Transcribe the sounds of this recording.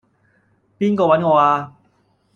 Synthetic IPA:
pi˧˥ŋkɔː˨˩wa˧˥nkoː˨˧˩waː˧

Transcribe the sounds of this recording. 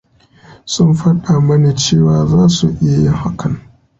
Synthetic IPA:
sʊ˦mɸɐ˦ɗa˨mɐ˦neː˨t͡ʃeː˦˨waː˨zaː˦su˨ʔɪ˦ja˨˦jɪ˦ŋha˦kʰɐ˨ŋ

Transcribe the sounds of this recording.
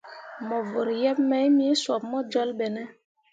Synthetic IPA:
mɔ˨vo˨ɾjɛ˦pmɛ˦jmi˦swɔ˨p̚mɔ˦d͡ʒɔ˦lɓɛ˨nɛ˦

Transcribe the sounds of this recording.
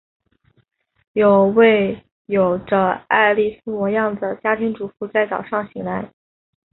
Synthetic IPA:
jo˨˩ʊwe˥˩ɪ | jo˨˩ʊʈ͡ʂə˧a˥˧ɪli˥˩sɹ̩˥mwɔ˧˥jɑ˥˩ŋd̪ə˩t͡ɕja˥t̪ʰi˧˥ŋʈ͡ʂu˨˩fu˥˧t͡sa˥˩ɪt͡sɑ˨˩ʊʂɑ˥˩ŋɕi˧˥ŋla˧˥ɪ

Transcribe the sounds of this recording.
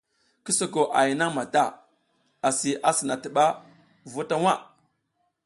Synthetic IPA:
ki˦so˦ɡo˨ʔa˨ji˨na˦ŋma˨ta˦˨ | a˨si˨ʔa˨sə˨na˨tə˨ɓa˦ | vu˦ta˦wa˦˨

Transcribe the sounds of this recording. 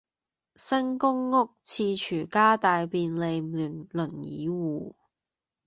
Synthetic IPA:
sɐ˥ŋkʊ˥ŋːʊ˥k̚t͡sʰiː˧t͡ʃʰyː˨˩kaː˥t̪aː˨jpiː˧nle˨˧jmyː˨˩nlɵ˨˩njḭː˨˥˦wuː˨˩

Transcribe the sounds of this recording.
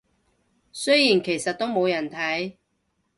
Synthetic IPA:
sɵ˥jiː˨˩nkʰe˨˩jsɐ˨t̚t̪ːo˥wmo˨˧wjɐ˨˩nt̪ʰɐ˨˥j

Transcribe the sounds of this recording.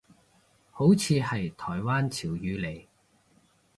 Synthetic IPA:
ho˨˥wt͡sʰiː˧hɐ˨jt̪ʰɔː˨˩jwaː˥nt͡sʰiː˨˩wjyː˨˧le˨˩j

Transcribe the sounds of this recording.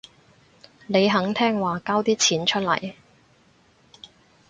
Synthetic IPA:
ne˨˧jɦɐ˨˥ŋt̪ʰɛː˥ŋwaː˨kaː˥wt̪iː˥t͡sʰiː˨˥nt͡ʃʰɵ˥t̚lɐ̰˨˩j

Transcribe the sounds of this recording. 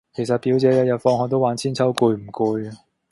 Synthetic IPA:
kʰe˨˩jsɐ˨t̚piː˨˥wt͡sɛː˨˥jɐ˨˧t̚jɐ˨t̚fɔː˧ŋhɦɔː˨k̚t̪o˥waː˨˥nt͡sʰiː˥nt͡sʰɐ˥wkuː˧jm̩˨˩kuː˧j

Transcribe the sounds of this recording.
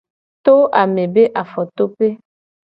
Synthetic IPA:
t̪o˦ʔa˨mẽ˨be˦ʔa˨fɔ˨t̪o˦pe˦

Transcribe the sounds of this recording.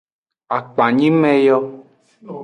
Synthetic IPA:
a˨k͡pa˨ɲĩ˦mɛ̃˦jɔ˦

